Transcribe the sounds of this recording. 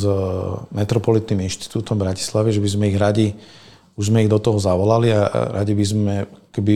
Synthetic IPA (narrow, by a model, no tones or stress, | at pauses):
zmɛt̪ɾɔpɔlit̪niminʃt̪i̥t̪uːt̪ɔmbɾaci̥slaʋɛʒɛbizmɛiɣɾaɟi | uʒzmɛiɣd̪ɔt̪ɔɦɔzaʋɔlaliaɾa̰ɟibizmɛkɔ̥kɛbi